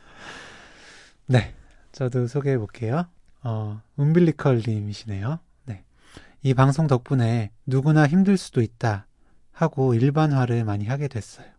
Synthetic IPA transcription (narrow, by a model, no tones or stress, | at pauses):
ne̞ | t͡ɕʌdosʰoɡebok͈e̞jo | ʌɯmbiɭːikʰʌɭːimiɕʰine̞jo | ne̞ | ipaŋsʰoŋtʌk̚p͈une̞nuɡunaçimdɯɭs͈u̥d̥oit̚t͈a | haɡoiɭbanɦwaɾɯɭmaɲiɦaɡe̞dwe̞s͈ʌjo